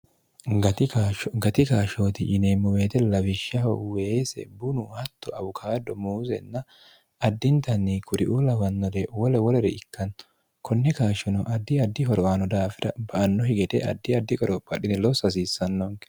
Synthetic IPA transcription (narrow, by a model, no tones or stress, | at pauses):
ɡɐt̪aɡɐt̪ɪkaːʃot̪ɪʔɪneːmːɔwe̞ːt̪ɛlɐwɪʃːɐhɔ̰weːsɛ̰bʊnʊhɐt̪ːɔʔɐbʊkʰaːd̪ɔmuːzɛ̰nːɐ | ɐd̪ːɪnt̪ɐnːɪkʊɾɪʔulɐbɐnːɔd̪ɛwɔlɛwɔlɛɾɛɪkːɐn | kʰɔnːɛkaːʃɔnɔʔɐd̪ːɪɐd̪ːɪɦɔɾɔʔaːnɔd̪aːfɪd̪ɐ̰bɐʔɐnːɔhɪɡɛt̪ɛ̰ʔɐ̰d̪ːɪɐd̪ːɪkʼɔɾɔbʼɐɗɪnɛlɔsɐs̬iːsːɐnːɔŋk